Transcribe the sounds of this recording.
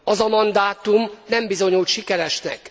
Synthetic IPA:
ɒzɒmɒnd̪aːt̪umnɛmbizo̞ɲult̪ʃikɛɾɛʃnɛ̰k

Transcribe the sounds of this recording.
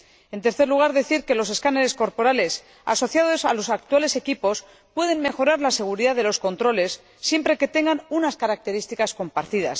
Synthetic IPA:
e̞nt̪e̞ɾθeɾluɣaɾðe̞θiɾke̞lo̞s̬e̞skaneɾe̞sko̞ɾpo̞ɾale̞s | a̰so̞θjaðosa̰lo̞sak̚t̪uwale̞se̞kipo̞s | pwe̞ð̞e̞nme̞xo̞ɾaɾlase̞ɣ̞uɾiðaðe̞lo̞sko̞nt̪ɾo̞le̞sː | je̞mpɾe̞ke̞t̪e̞ŋɡanunaskaɾak̚t̪e̞ɾist̪ikasko̞mpaɾt̪iða̰s

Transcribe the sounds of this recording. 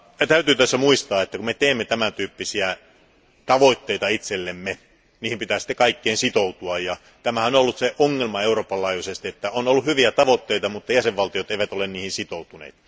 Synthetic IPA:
t̪æyt̪yːt̪æsːæmuist̪ɑːet̪ːækummet̪eːmːet̪æmænt̪yːpːisiæ | t̪ɑʋoit̪ːeit̪ɑit̪selːemːe | niːhimpit̪æːsi̥t̪ːekɑikːeːnsit̪out̪uɑjjɑ | t̪æmæhæonolːut̪seʔoŋːelmɑeuroːpːɑlːɑˑːjuisest̪iet̪ːæonolːuhyʋiæt̪ɑʋot̪ːeit̪ɑmut̪ːɑjæseʋʋɑlt̪ijot̪eˑiʋæt̪olenniːhinsit̪out̪unḛːt̪

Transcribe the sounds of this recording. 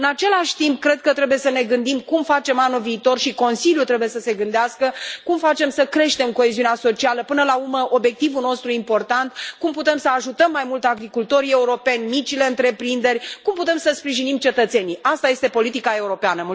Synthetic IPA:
ɨnat͡ʃe̞laʃʲt̪imp̚kɾe̞d̪̚kət̪ɾe̞buje̞səne̞ɡɨnd̪imkumfat͡ʃe̞manuviːt̪o̞rʃiko̞nsiljut̪ɾe̞buje̞səse̞ɡɨnd̪easkəkumfat͡ʃe̞msəkɾe̞ʃt̪e̞mko̞e̞ziuneaso̞t͡ʃialəpɨnəlaurməʔo̞bje̞k̚t̪ivuno̞st̪ɾuimpo̞rt̪ant̪kumput̪e̞msəaʒut̪əmːajmult̪aɡɾikult̪o̞ɾʲie̞uɾo̞pe̞nʲmit͡ʃile̞ɨnt̪ɾe̞pɾind̪e̞rʲkumput̪e̞msəspɾiʒinimt͡ʃe̞t̪ət̪se̞niʔast̪aje̞st̪e̞po̞lit̪ikae̞uɾo̞peanəmu

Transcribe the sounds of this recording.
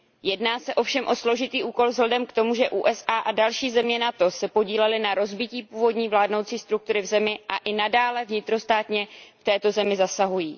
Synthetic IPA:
jɛdnaːsɛʔofʃɛmʔo̞slo̞ʒɪt̪iːʔuːko̞lvzɦlɛdɛmkt̪o̞muʒɛʔuːʔɛsʔaːʔadalʃiːzɛmɲɛnat̪o̞sɛpo̞ɟiːlɛlɪnaɾo̞zbɪciːpuːvo̞dɲiːvlaːdnowt͡siːst̪ɾuk̚t̪uɾɪvzɛmɪʔaʔɪnadaːlɛvɲɪt̪ɾo̞st̪aːt̪ɲɛft̪ɛːt̪o̞zɛmɪzasaɦujiː

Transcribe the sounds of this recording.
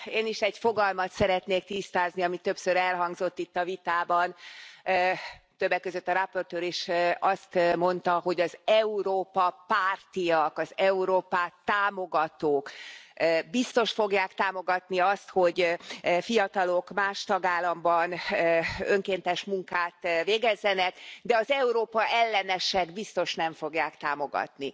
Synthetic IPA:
eːniʃɛɟfo̞ɡɒlmɒt̪sɛɾɛt̪neːkt̪ist̪aːzniɒmit̪ːøpsøɾɛlɦɒŋɡzo̞t̪ːit̪ːɒvit̪aːbɒn | t̪øbːɛkːøzøt̪ːɒɾapːo̞rt̪øːɾiʃɒst̪mo̞nt̪ɒɦo̞ɟɒzɛuɾoːpɒpaːrt̪ijɒkɒzɛuɾoːpaːt̪ːaːmo̞ɡɒt̪oːk | bist̪o̞ʃfo̞ɡjaːkt̪aːmo̞ɡɒt̪niɒst̪ho̞ɟfijɒt̪ɒlo̞kmaːʃt̪ɒɡaːlːɒmbɒnː | øŋkeːnt̪ɛʃmuŋkaːt̪veːɡɛzːɛnɛkd̪ɛɒzɛuɾoːpɒʔɛlːɛnɛʃɛɡbist̪o̞ʃnɛɱfo̞ɡjaːkt̪aːmo̞ɡɒ̰t̪ni

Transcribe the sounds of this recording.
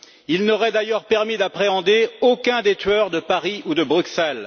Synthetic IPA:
ilnɔʁɛd̪ajœʁpɛʁmid̪apχeɑ̃d̪eokʲɛ̃d̪et̪ɥœʁd̪əpaʁiud̪əbʁyksɛl

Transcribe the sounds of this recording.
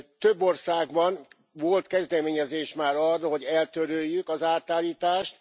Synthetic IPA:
t̪ø̞bːo̞rsaːɡbɒn | vo̞lt̪kɛzd̪ɛmeːɲɛzeːʃmaːɾɒrːɦo̞ɟɛlt̪øɾøːjːykɒzaːt̪aːlːiːt̪aːʃt̪

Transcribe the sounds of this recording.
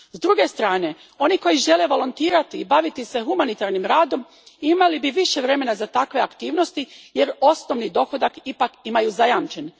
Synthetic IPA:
zd̪ɾuɡe̞st̪ɾaːne̞ | o̞niko̞jiʒe̞le̞ʋo̞lont̪iːɾat̪iːbaʋit̪ise̞xumanit̪aɾnimɾaːd̪o̞m | imalibiʋiʃe̞ʋɾe̞me̞nazat̪akʋe̞akt̪iːʋno̞st̪ije̞ɾo̞sno̞ʋnid̪o̞xo̞d̪akipakimajuzajamt͡ʃe̞n

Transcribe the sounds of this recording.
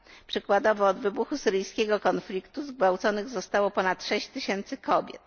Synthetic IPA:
pʂɘkwad̪ɔvɔːd̪vɘbuxusɘɾɘjskʲɛɡɔkɔnflʲikt̪uzɡvawt̪sɔnɘɣzɔst̪awɔpɔnat̪ʂɛɕt͡ɕt̪ɘɕɛnt̪sɘkɔbʲjɛ̰t̪

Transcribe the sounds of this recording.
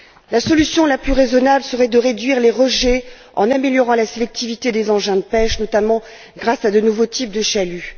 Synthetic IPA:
lasɔlysjɔ̃laplyʁezɔnablsəʁɛd̪əʁed̪ɥiʁleʁəʒɛ | ɑ̰̃nameljɔʁɑ̃laselɛk̚t̪ivit̪ed̪ezɑ̃ʒɛ̃d̪əpɛʃnɔt̪amɑ̃ | ɡʁasad̪ənuvot̪ʰip̚d̪əʃaly

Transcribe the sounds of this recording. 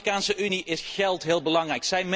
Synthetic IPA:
kaːnsəʔyniʔɪsχɛlˠtɦɪːlˠbəlɑŋrɛjksɛjm

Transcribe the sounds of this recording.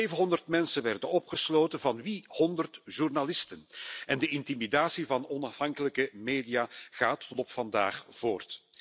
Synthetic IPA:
ejvənɦɔndərtmɛnsənʋɛrdənɔpχəsloːtənvɑnʋihɔndərtʒ̥urnalɪstənɛndəʔɪntimidaːsivɑnɔnɑfhɑŋkələkəmeːdijaːɣaːtlɔpfɑnda̰ːxv̥oːrt

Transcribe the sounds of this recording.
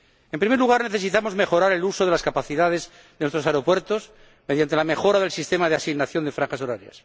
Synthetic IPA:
empɾimeluɣaɾne̞θe̞sit̪amo̞zme̞xo̞ɾaɾe̞luso̞ðe̞laskapaθiðaðe̞z | ðenwest̪ɾosaeɾopwe̞ɾt̪o̞s | me̞ðjant̪e̞lamexo̞ɾaðe̞lsist̪e̞maðeasiɣnaθjo̞nd̪efɾaŋxaso̞ɾaɾja̰s

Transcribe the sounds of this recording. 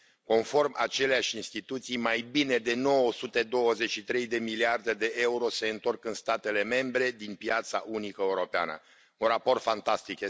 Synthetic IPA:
ko̞nfo̞rmʔa̰t͡ʃe̞leaʃʲinst̪it̪ut̪sijmajbine̞d̪e̞no̞wəsut̪e̞d̪o̞wəze̞t͡ʃʃit̪ɾe̞jd̪e̞miliard̪e̞d̪e̞ʔe̞uɾo̞se̞ɨnt̪o̞rkɨnst̪at̪e̞le̞me̞mbɾe̞d̪inpjat̪sa̰ʔunikəeuɾo̞pea̰nə̰ | unrapo̞rt̪fant̪ast̪ikje

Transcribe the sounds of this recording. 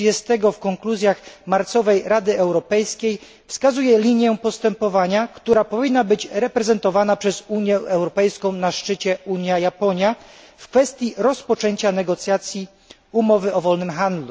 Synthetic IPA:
ɛst̪ɛɡɔfkɔŋkluzʲjaxmaɾt̪sɔvɛjɾad̪ɘɛwɾɔpɛjskʲej | fskazujɛlʲiɲjɛpɔst̪ɛmpɔvaɲakt̪uɾapɔvʲinːabɘd͡ʑɾɛpɾɛzɛnt̪ɔvanapʂɛzuɲjɛʔɛwɾɔpɛjskɔ̃w̃naʂt͡ʂɘt͡ɕɛuɲjajapɔɲja | fkfɛst̪ʲjiɾɔspɔt͡ʂɛɲt͡ɕanɛɡɔt̪sʲjat̪sʲji | umɔvɘʔɔvɔlnɘmxand̪lu

